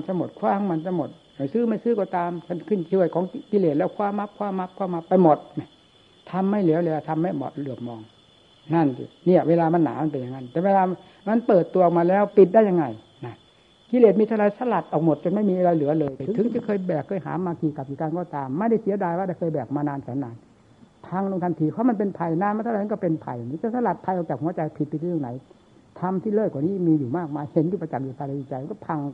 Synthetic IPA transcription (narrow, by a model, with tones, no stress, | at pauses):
nt͡ɕa˧˩mo˨˩t̪̚kʰwaː˧˩˦ŋma˧˥nt͡ɕa˧˩mo˨˩t̪̚ | a˧˩jsɯː˥˩˨ma˥˩jsɯː˧˥˩kɔː˧t̪aː˧mkʰa˧˥˩nkʰɯ˧˩˨nt͡ɕʰɯ˧˩əjkʰɔː˨˦ŋki˧leː˨˩t̪̚lɛː˧˥˩wkʰwaː˧˥˨mːa˦˧˥p̚kʰwaː˧˩˨mːa˦˧˥p̚kʰwaː˧˥˩ma˦˧˥pːa˧jmo˨˩t̪̚na˧˩ | t̪ʰa˧mːa˥˩jli˨˦wlɛː˧˩t̪ʰa˧mːa˥˩mɔ̰˨˩t̪̚lɯ˨˩əp̚mɔː˧ŋ | na˧˥˩nsḭ˧˩ni˧˩ɐweː˧laː˧ma˧˥˨nːa̰ː˨˦ma˧˥n˨pe˧nja˧ŋːa˧˥˩nt̪ɛː˨˩weː˧laː˧ | ma˧˥˨npɤː˨˩t̪ːu˧˨k̚maː˧lɛː˦˥˩wpi˨˩t̪̚da˥˩ja˧ŋa˧˩j | na˦˧˩ | ki˧leː˨˩t̪̚miː˧t̪ʰa˧ɾa˧jsa˧la˨˩t̪̚ʔɔː˨k̚mo˨˩t̪̚t͡ɕo˧nma˥˩jmiː˧a˧ɾa˧jlɯ˩˦ɐlɤː˧jtʰɯ˨˦ɯ˨˦ŋt͡ɕa˨˩˦kʰɤː˧jbɛː˨˩kʰːɤː˧jha̰ː˩˦mːaː˧kʰiː˧ka˨˩p̚kiː˨˩ka˧nkɔː˧˩t̪aː˧mːa˥˩jda˥˩jsi˨˦ɐdaː˧jwaː˥˩da˧˥˩jkʰɤː˧jbɛː˨˩k̚maː˧naː˧nsʰɛː˨˦naː˧n | pʰa˧ŋlo˧ŋt̪ʰa˧nt̪ʰiː˧kʰɔ˧˦˥ma˧npe˧npʰa˧jnaː˧nma˧t̪ʰa˨˦m˧˨kɔ˥˩pe˧npʰa˧ja˨ŋniː˦˥t̪t͡ɕa˧˩sa˧la˨˩t̪̚pʰa˧jʔɔː˨˩t͡ɕaː˨˩k̚hu˨˦ɐt͡ɕa˧jpʰi˨t̪̚pi˧˥˩ŋna̰˨˩˦j | t̪ʰa˧mt̪ʰiː˥˩lɤː˥˩kwaː˨˩niː˦˥˩miː˧juː˨˩maː˥˩k̚maː˧jhe˨˦ntiː˧˩pa˧t͡ɕa˨˩k̚juː˨˩pʰaː˧la˧i˧t͡ɕa˧jma˧˨nkɔ˥˩pʰa˧ŋ